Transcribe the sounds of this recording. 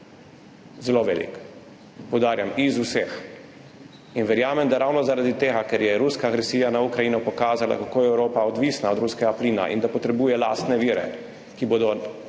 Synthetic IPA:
zɛloʋɛːlḭk | pɔwd̪aːɾjamizusɛx | inʋɛɾjaːmɛmd̪aɾawnɔzaɾad̪it̪eːɡakɛɾjɛɾuskaːɡɾɛsiːjanaukɾajiːnɔpɔkaːzala̰kakoːjɛɛwɾoːpaɔd̪ʋisnaɔd̪ɾuskɛɡapliːna̰ʔḭnd̪apɔt̪ɾɛbuːjɛla̰ːst̪nɛʋiːɾɛ̰ | kiboːd̪ɔ

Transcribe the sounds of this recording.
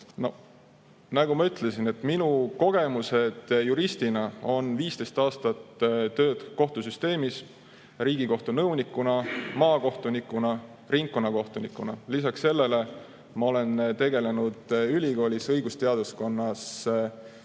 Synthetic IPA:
no̞̰ | næɡ̥umɑyt̪le̞sine̞t̪ːˑminuko̞ɡ̥e̞muse̞d̪̥juɾist̪inɑo̞nviːst̪e̞jst̪ɑːst̪ɑt̪ːt̪ø̞ːd̪̥ko̞ht̪usyst̪e̞ːmis | ɾiːɡiko̞ht̪unɤwnikːˑunɑmɑːko̞ht̪unikːˑunɑ | riŋkkonːɑko̞ht̪unikːˑunɑlisɑkse̞lːe̞le̞ | mɑo̞le̞nt̪e̞ɡe̞le̞nud̪̥ylʲiko̞ːlʲisɤjɡ̥ust̪e̞ɑd̪̥usko̞nːɑs

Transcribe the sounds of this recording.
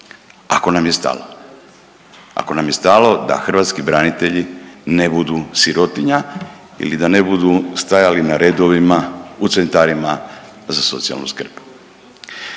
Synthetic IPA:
ako̞namje̞st̪a̰lo | a̰ko̞namje̞st̪alo̞d̪a̰xr̩ʋaːt̪skibɾanit̪e̞ʎine̞bud̪usiɾo̞t̪iɲa | ḭlid̪ane̞bud̪ust̪ajalinaɾed̪oʋimaut̪sent̪aɾima | zaso̞t̪sia̰lnṵskr̩p

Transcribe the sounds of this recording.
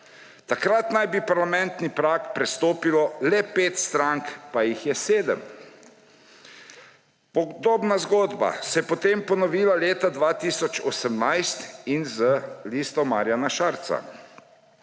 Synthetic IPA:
t̪akɾat̪najbipaɾlamɛnt̪nipɾaːkpɾɛst̪oːpilɔlɛpeːt̪st̪ɾaŋkpajixjɛseːd̪əm | pɔɡd̪oːbnazɡoːd̪ba̰sɛjɛpɔt̪empɔnɔʋiːlaleːt̪ad̪ʋaːt̪iːsɔt͡ʃɔsəmnajst̪inzəliːst̪ɔmaɾjanaʃaːɾt̪sa̰

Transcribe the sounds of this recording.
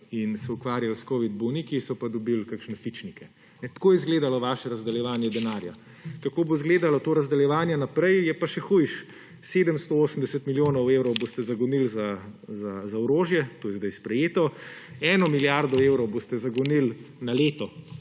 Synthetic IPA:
insɛukʋaːɾjalskoːʋid̪̚bonikisɔpad̪ɔbilkakʃnɛfit͡ʃnikɛ | nɛt̪koːjɛzɡleːd̪alɔʋaːʃɛɾɐzd̪ɛljɛʋaːnjɛd̪ɛnaːɾja | kakoːbozɡleːd̪alat̪oːɾɐzd̪ɛljɛʋaːnjɛnapɾɛjjɛpaʃɛxujʃ | seːd̪əmst̪ooːsəmd̪ɛsət̪miljoːnɔweːwɾɔwbost̪ɛzaɡɔnilzazazaɔɾoːʒjɛt̪oːjɛzd̪aɪjspɾɛjeːt̪ɔɛːnɔmiljaɾd̪ɔewɾɔwboːst̪ɛzɐɡɔnilnaleːt̪ɔ

